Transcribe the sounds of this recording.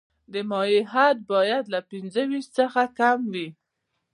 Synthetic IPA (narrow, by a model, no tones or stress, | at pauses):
d̪əmɑjiɦat̪̚bɑjad̪lapinzəwiʃt̪t͡səxakamwi